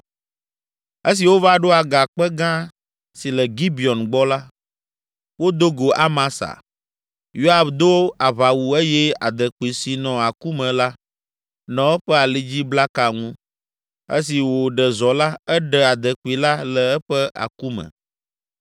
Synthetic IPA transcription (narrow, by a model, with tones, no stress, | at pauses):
e˦s̬i˨wo˦va˦ɖo˦a˨ɡa˨k͡pə˦ɡã˦ | si˨lə˨ɡi˦bi˨ɔ˨nɡ͡bɔ˦la˦ | wo˦d̪o˦ɡo˨ʔa˦mã˦sa̰˨ | jo˦a˨bd̪o˦a˨βa˨wu˨e˦jɛ˦a˨d̪ə˨k͡pu˨i˨si˨nɔ̃˨a˨ku˦mɛ̃˨la˦ | nɔ̃˨ɛ˦ɸɛ˦a˨li˨d͡ʑi˦bla˦ka˨ŋũ˦ | ḛ˦s̬i˨wo˨ɖə˨zɔ˨la˦ɛ˦ɖɛ˨a˨d̪ə˨k͡pu˨i˨la˦lə˨ɛ˦ɸə˦ʔa̰˨ku˦mə̰̃˨